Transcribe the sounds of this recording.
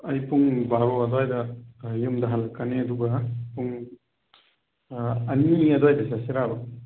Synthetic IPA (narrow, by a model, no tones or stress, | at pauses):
ɐjpuŋbaɾoɐdɔjdɐjumdɐɦalɐkːaneɐduɡɐpuŋ | niɐdɔjdɐsasiɾabɐ